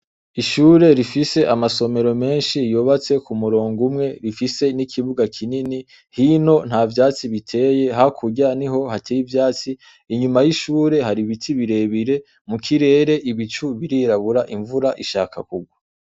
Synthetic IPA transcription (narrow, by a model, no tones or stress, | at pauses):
iʃuːɾe̞ɾifise̞ʔamaso̞me̞ɾo̞me̞ːnʃijoβat͡se̞kumuɾoːŋɡumŋe̞ɾifise̞nikʰiβuɡakʰinini | hino̞n̥havjaːt͡siβitʰe̞ːje̞ɦakʰuɟaniɦo̞hatʰejivjaːt͡siː | ɲumajiʃuːɾe̞haɾiβitʰiβiɾe̞βiɾe̞ | mukʰiɾe̞ːɾe̞ʔiβit͡ʃuβiɾiɾaβuɾaʔiɱvuɾaʔiʃaːka̰kuɡwa